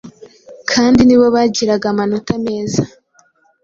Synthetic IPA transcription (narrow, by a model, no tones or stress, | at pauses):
kʰaːndiniβo̞βaɟiɾaɡamanotame̞ːza